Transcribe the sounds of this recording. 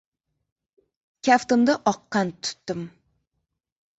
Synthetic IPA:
kʲʰaft̪ʊmd̪aʔɒqːɑnt̪ʰʊ̥t̪ːɪm

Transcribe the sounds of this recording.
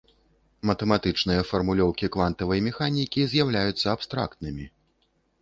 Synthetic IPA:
mɐt̪ɛmat̪ɨt͡ʂnɨjɐfɐrmulʲɔwkʲikvant̪ɐvɐjmʲɛxanʲikʲizʲjawlʲajut̪sːɐapst̪ɾa̰kt̪̚nɨmʲi

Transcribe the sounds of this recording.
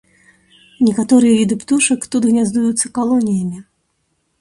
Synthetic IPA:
nʲɛkat̪ɔɾɨjɐvʲid̪ɨpt̪uʂɐkt̪ud̪ɣnʲazd̪ujut̪sːɐkalˠɔnʲijɐmʲi

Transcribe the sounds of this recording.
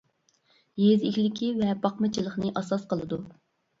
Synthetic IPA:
jezikʲlɪkʲʰivɛpɑqmɨt͡ʃʰilˠəχnɨʔɑsɑsqəlˠɨd̪u

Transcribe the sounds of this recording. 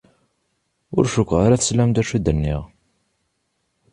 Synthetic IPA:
ʊ̰ɾʃəkʷːʁaɾæθə̥slæmt̪æʃid̪ənːiʁ

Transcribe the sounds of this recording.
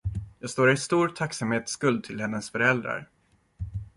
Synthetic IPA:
jɑːɡst̪oːɾɪst̪uːɾt̪ʰaksamheːt̪skɵld̪̚t̪ʰɪlhɛnːəsfœɾɛld̪ɾa̰ɾ

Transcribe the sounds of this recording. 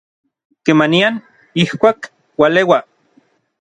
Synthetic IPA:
kemanian | ihkʷaːk | walewa

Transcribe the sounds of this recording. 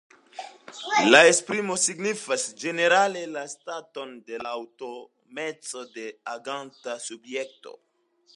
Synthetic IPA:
lae̞spɾimo̞siɡnifasd͡ʒe̞ne̞ɾale̞lastato̞nde̞laːwto̞ | me̞t͡so̞de̞aɡantasubje̞k̚to̞̰

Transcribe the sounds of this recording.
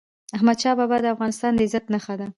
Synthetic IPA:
aɦmad̪ʃɑbɑbad̪əafɣɑnɪst̪ɑnd̪əɪzat̪naxad̪a

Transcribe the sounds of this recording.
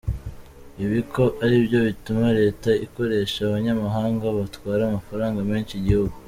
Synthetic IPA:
iβiko̞ʔaɾibjo̞βitumaɾe̞ːtaiko̞ɾe̞ːʃaːβaɲamaɦaːŋɡaβatkwaːɾaːmafaɾaːŋɡameːnʃiɟihuɡu

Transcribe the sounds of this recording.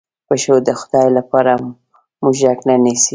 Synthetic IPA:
pəʃod̪əxʊ̥d̪ɑjlapɑɾa | muʒʒaknanisi

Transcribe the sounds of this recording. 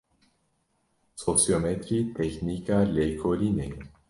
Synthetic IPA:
sosjomet̪ɾit̪ʰeknikalekʰoline

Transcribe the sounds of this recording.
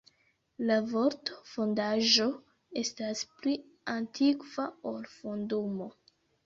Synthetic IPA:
lavo̞ɾtofo̞ndaʒo̞ | e̞staspli | antʰikv̥aolfondumo̞

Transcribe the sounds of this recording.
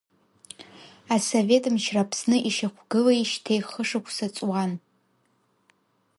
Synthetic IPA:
asove̞tʼɨmʃrapʰsnɨʔiʃaχʷɡɨlaiʃtʰejχəʂɨkʷʰsat͡sʼwan

